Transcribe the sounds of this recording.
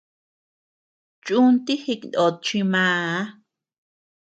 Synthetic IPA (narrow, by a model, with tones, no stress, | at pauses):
t͡ʃʼu˦nt̪i˦hi˧knd̪o˨t̪̚t͡ʃi˧mãː˧˦